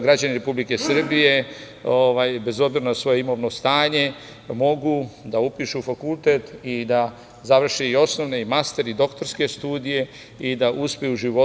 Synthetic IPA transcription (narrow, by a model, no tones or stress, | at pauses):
ɡɾad͡ʑaniɾe̞publike̞sr̩bije̞ | oʋajbe̞zo̞bziɾonasʋo̞jeimo̞ʋno̞st̪aːɲe̞ | mo̞ɡud̪aupiʃufakulˠt̪e̞t̪id̪a | zaʋr̩ʃiio̞sno̞ʋneimast̪e̞ɾid̪o̞kt̪o̞ɾske̞st̪uːd̪ije̞ | id̪aʔuspejuːʒiʋo